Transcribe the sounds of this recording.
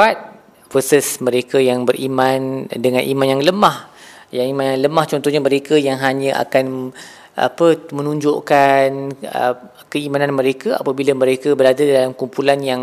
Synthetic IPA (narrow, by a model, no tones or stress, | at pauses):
at̪̚ | vərsəsməɾekajaŋbəɾʔimãndəŋãnʔḭmanjaŋləmah | jaŋimanjaŋləmaht͡ʃɔnt̪ɔhɲaməɾekajaŋɦaɲə̃ʔa̰kan | ʔa̰pəmənũɲd͡ʒoʔkanə | kəimananməɾekaa̰pabilamə̃ɾekabəɾadadalamkumpulanjaŋ